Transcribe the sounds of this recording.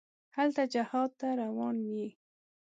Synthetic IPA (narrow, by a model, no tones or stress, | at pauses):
halt̪ad͡ʒahɑd̪̚t̪aɾawɑnwi